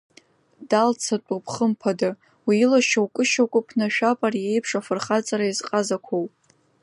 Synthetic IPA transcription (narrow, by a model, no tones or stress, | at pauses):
dalt͡sʰat͡pʷʼupʰχəmpʰada | wilaʃawkʼɨʃakʷʼʊpʰnaʃᶣapʼarije̞jpʰʂafɨrχat͡sʼaɾaizqʼazakʷʰowpʼ